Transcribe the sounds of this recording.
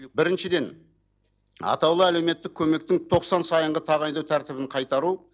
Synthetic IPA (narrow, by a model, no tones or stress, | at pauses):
bɪɾɪnʃɪd̪e̞n | ɑ̰t̪ɑwlˠəæle̞wme̞t̪ːɪkʲʰːɵme̞k̚t̪ɪŋt̪ʰo̞qsɑnsɑjəɴʁət̪ʰɑʁɑjd̪ɑwt̪ʰæɾt̪ɪbɪɴqʰɑjt̪ɑɾu